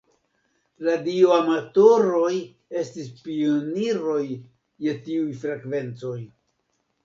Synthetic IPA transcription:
ladioamato̞ɾo̞j | e̞stispioniɾo̞j | je̞tiujfɾekve̞nt͡so̞j

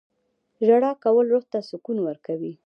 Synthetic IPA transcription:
ʒaɽɑkawəlɾoxt̪asʊkunwəɾkawi

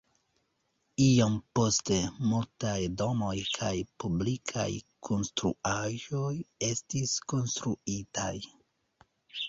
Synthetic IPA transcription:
iompo̞ste̞multajdo̞mo̞jkʰajpublikʰa̰jkʰo̞nstɾṵaʒo̞je̞stisko̞nstɾuita̰j

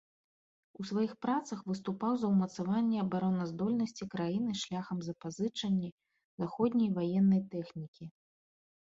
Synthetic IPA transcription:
usvajixpɾat̪sɐxvɨst̪upawzɐwmɐt̪savanʲːɛɐbaɾɔnɐzd̪ɔlʲnɐsʲt͡sʲikɾajin̪ɨʂlʲaxɐmzɐpazɨt͡ʂɐnʲːɛ | zaxɔd̪ʲnʲɐjvajɛnːɐjt̪ɛxnʲikʲi

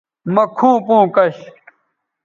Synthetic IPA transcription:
mɐkʰũːpũːkɐɕ

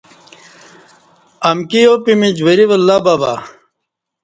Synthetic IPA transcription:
ɐmkijopimid͡ʑweɾiʋɐlːaːbaːba̰

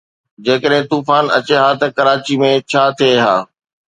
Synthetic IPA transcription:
d͡ʑeːkəɗɦɪ̃t̪uːfaːnɐ̰t͡ɕeɦaːt̪ɐkɐɾaːt͡ɕimẽt͡ɕʰaːt̪ʰieɦa̰ː

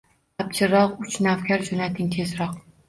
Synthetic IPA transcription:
ap̚t͡ʃʰɪɾɒqʊt͡ʃnawkʲʰaɾd͡ʒonat̪ʰɪŋt̪ʰezɾɒq

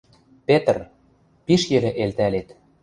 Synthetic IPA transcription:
pet̪r | piʃjɘ̆lĕʔelt̪ælet̪

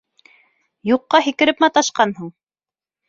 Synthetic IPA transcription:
juqːɑɦikɘ̆ɾɘpmæt̪ɑʃqɑnɦuɴ

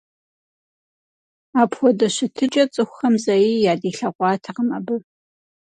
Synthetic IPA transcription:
aːpʰxʷɔdɐɕɪtʰɨt͡ʃʼɐt͡sʼɨxʷxɐmzɐjijaːdiːɬɐʁʷɑːtʰɐʁəmɐbɨ

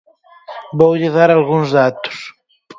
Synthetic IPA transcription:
bowʎeðaɾalɣuŋzðat̪u̥s

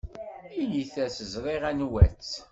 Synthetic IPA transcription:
iliθæsəzɾˤiʁænwæt͡sː

